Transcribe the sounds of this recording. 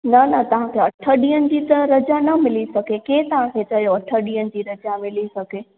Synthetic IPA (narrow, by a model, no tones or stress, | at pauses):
nɐnɐt̪ɐʋ̤ãkʰeɐʈʰəɗiːənɪ̆d͡ʑiːt̪əɾɐd͡ʑanɐmɪlisɐɡʱekeːt̪ɐʋ̤ãkʰet͡ɕɐjoɐʈʰəɗiːənɪ̆d͡ʑiːɾɐd͡ʑamɪlisɐɡʱeː